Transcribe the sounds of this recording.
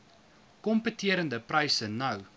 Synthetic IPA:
kɔmpətiəɾəndəprɐjsənɐw

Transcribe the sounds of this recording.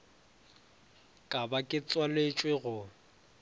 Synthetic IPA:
kʼabakʼɪt͡sʼwalet͡ʃʼweɣʊ

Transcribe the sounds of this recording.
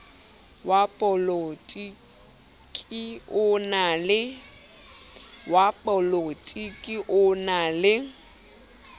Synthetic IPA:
wapʼɔlotʼi | kʼiʊnalɪ | wapʼɔlotʼikʼiʔʊnalɪ

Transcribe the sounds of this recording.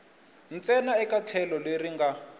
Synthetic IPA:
n̩t͡sɛnaɛkatʰɛlɔleriŋɡa

